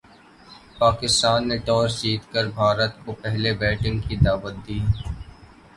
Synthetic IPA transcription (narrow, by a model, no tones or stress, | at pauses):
paːkɪst̪aːnːeʈɔːɾt͡ʃiːt̪kəɾbʱaːɾət̪kopɛɦlebɛːʈɪ̃ŋɡkid̪aːʋət̪̚d̪iːɛ